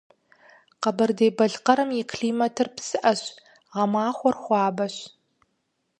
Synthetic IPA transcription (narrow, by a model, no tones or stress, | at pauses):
qɐbɐrdeːbɐɮqɐɾɨmikʰɮiːmɐtʰɨrpsɨʔɐɕ | ʁɐmaːχʷɔrχʷɑːbɐɕ